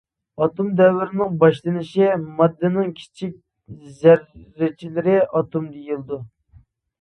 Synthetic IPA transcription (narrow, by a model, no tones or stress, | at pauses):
ɑt̪umd̪ɛwːɪɾɪnɪŋbɑʃlˠɨnɪʃimɑd̪ːɨnɨŋkʲʰi̥t͡ʃʰik̚ʲ | zæɾːɪt͡ʃʰilɪɾɪɑt̪umd̪ejilˠd̪u